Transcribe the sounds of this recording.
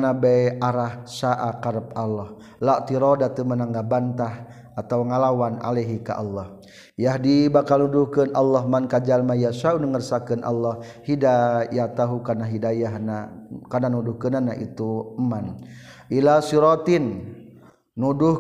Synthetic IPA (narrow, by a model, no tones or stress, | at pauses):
nabɛjʔaɾahsaʔakaɾəpalːɔh | laʔt̪iɾɔdat̪əmənaŋɡabant̪ah | at̪awŋalawana̰leɦika̰ʔa̰lːɔh | jaɦdibakalnuduhkənʔalːɔɦmankad͡ʒalmajasaunəŋərsakənʔa̰lːɔhhidajat̪aɦukarnaɦidajaɦnakarnanuduhkənanaʔḭt̪uman | ʔilasiɾɔt̪inː | udu